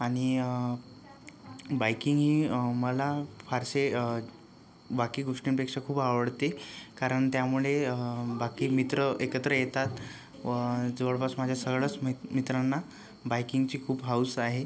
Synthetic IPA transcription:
aɽ̃i | bajkiŋɡɦiːməlafaɾse | bakiːɡoʂʈinpekʂəkʰuːbaʋəɽt̪ekaɾəɳt̪jamuɭeəbakiːmit̪ɾəʔekət̪ɾəjet̪at̪ | d͡zəʋəɭpasmad͡ʑʱjasəɡɭət͡smmit̪ɾanːa | bajkiŋɡt͡ɕiːkʰuːbɦausaɦe

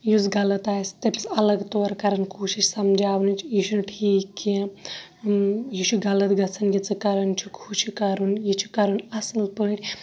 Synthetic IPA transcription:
juzɡɐlɐt̪aːjst̪epʲi̥sɐlɐɡt̪oːɾkɐɾɐnkoːʃiʃsɐmd͡ʒaːʋnunt͡ʃʰjiʃunʈʰiːki | jiʃuɡɐlɐt̪ɡɐt͡sʰɐnjit͡sɨkɐɾɐnt͡ʃʰukʰuʃʰikɐɾunjit͡ʃʰu̥kɐɾunɐsɨlpɨɳɾʲ

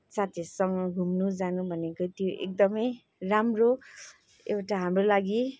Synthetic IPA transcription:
sat̪ʰisʌŋɡʱumnud͡zanubʱʌnekot̪joʔḛk̚d̪ʌmʌj | ramro | ewʈaɦamrolaɡi

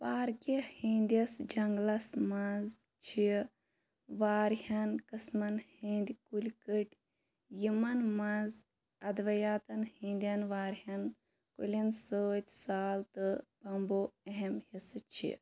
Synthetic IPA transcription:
paːɾkihĩnd̪jɐsd͡ʒɐŋɡlɐsmɐz | t͡ʃʰi | ʋaːɾhɐnkɨsmɐnhind̪ikulʲkɨʈʲ | jimɐnmɐ̃z | ɐd̪ʋɐjaːt̪ɐnhĩnd̪jɐnʋaːɾɦɐn | kṵlʲɐnsoːt̪ʲsaːlt̪ɨpɐmboːeɦemhisɨt͡ʃʰḭ

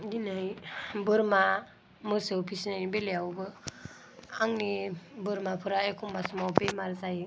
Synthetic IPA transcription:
ɡinajbɯɾma | mɯsɯpʰisnanbelejawbɯ | aŋnibɯɾmapʰɯɾajekʰumbasmawbemaɾzaj

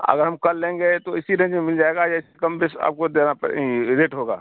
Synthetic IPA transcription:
ɐ̰ɡəɾɦɐmkɐlːẽːŋɡet̪oɪsiɾə̃nd͡ʒmemɪld͡ʒaːeɡajaɪsekɐmbɪsa̰ːp̚kod̪eːnapɾeːʈɦoːɡa̰ː

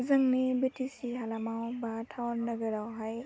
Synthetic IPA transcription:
zɯŋnibitʰisiɦalamawbatʰawnːɐɡəɾawɦaj

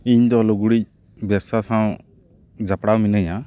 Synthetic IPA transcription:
iɲd̪ɔlɔɡuɽic̚ | bɛbsasãw | d͡ʒapɽawminɯja

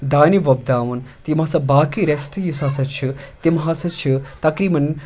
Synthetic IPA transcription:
d̪aːniʋɐb̚d̪aːʋunt̪imasɐbaːkiɾesʈjusasɐt͡ʃʰit̪imɦaːsɐt͡ʃʰit̪ɐkɾiːmɐn

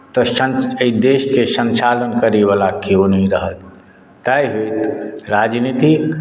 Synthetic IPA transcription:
t̪ɔənid̪eːʃkesə̃nt͡ʃaːlənkəɾiʋalakionəɦĩɾəɦət̪ː | aiɦoit̪ɾaːd͡ʒnit̪i

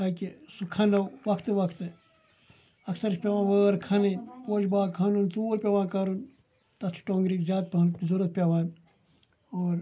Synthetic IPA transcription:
akisukʰɐnɐwʋɐkʰt̪ɨʋɐkʰt̪ɨ | ɐksɐɾt͡ʃʰpʲeʋãːʋəːɾkʰɐninpoːʃbaːkʰanunt͡soːɾpʲeʋãːkɐɾun | t̪ɐt̪ʰu̥ʈõːŋɡɾikzʲaːt̪̚pʲːnzuɾɐt̪̚pʲeʋãːn | oːɾ

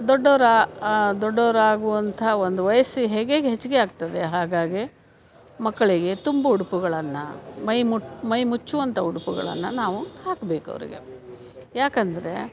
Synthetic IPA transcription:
d̪ɔɖːɐʋɐɾad̪ɔɖːɐʋɐɾaːɡuʋɐnt̪ʰɐond̪uʋɐjɐsiɦeːɡeɡeɦet͡ʃːuɡeaːɡ̚t̪ɐd̪eɦaːɡaːɡi | mɐkːɐɭiɡe̞t̪umbɐuɽupuɡɐɭɐnːɐ̰mɐjmumɐjmut͡ʃːuʋɐnt̪ʰɐuɽupuɡɐ̰ɭɐ̰nːɐnaːʋuhaːkbeːkɐ̰ʋɐ̰ɾḭɡe̞̰ | jaːkɐnd̪ɐɾe̞̰

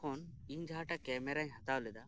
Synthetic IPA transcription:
ɔniɲd͡ʒaɦaʈakɛmɛɾaɲɦat̪awlɛd̪a

